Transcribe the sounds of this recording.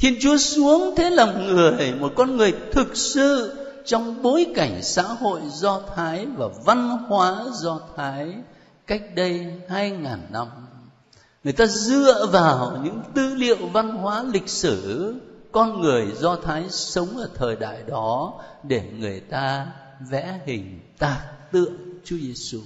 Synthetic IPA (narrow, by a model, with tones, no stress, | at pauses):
t̪ʰi˧ənt͡ɕu˨˦əsu˨˦əŋt̪ʰe˨˦la˨˩mŋɨ˨˩əjmo˨˩t̚kɔ˧nŋɨ˨˩əjt̪ʰɨ˨˩k̚sɨ̰˧˨ | t͡ɕɔ˧wŋ͡mɓo˨˦jka˧˩jŋ̟sa̰ː˧˥ho̰˧˨jzɔ˧t̪ʰaː˨˦jvaː˨˩va˧nhwaː˨˦zɔ˧t̪ʰaː˨˦j | ka˦˥jk̟̚ɗə˧jhaː˧jŋaː˨˩nːa˧m | ŋɨ˨˩əjt̪aː˧zɨ˧˨əvaː˨˩wɲɨ̰˧˥ŋt̪ɨ˧lḭ˧˨əwva˧nɦwaː˨˦lï˨˩k̚sɨ˧˩kɔ˧nŋɨ˨˩əjzɔ˧t̪ʰaː˨˦jsə˨˦wŋ͡mʔəː˧˩t̪ʰəː˨˩jɗa̰ː˧˨jɗɔ˨˦ɗe˧˩ŋɨ˨˩əjt̪aː˧ | vɛ̰˧˥hï˨˩ŋ̟t̪aː˨˩k̚t̪ɨ̰˧˨əŋt͡ɕu˨˦ze˧su˧